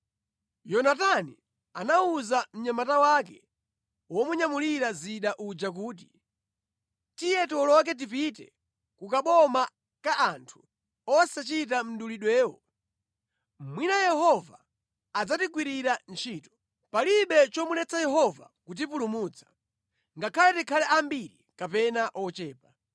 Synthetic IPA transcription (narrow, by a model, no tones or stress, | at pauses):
jɔnatanḭ | anauzam̩ɲamatawaːkɛ̰ | wɔmuɲamuliɾaziɗaʔud͡ʒak̬uːt̬i | tijɛtwɔlɔk̬ɛt̬ip̬itɛ̰ | kukaɓɔma | kaʔantʰu̥ | ɔsat͡ʃit̬am̩ɗuliɗwɛːwɔ | mwinajɛhɔvaː | d͡zatikwiɾiɾant͡ʃʰiːtɔ̥ | paliɓɛt͡ʃɔmulɛt͡sajɛɦɔva̰kut̬ip̬ulumuːt͡sʰḁ | ŋɡakʰalɛtikʰalɛʔambiɾḭkapɛnaʔɔt͡ʃɛːpa